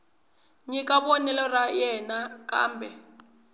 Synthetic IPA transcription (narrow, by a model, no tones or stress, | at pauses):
ŋikʼaɓonilɔrajɛnakʼa̰ːmbʱɛ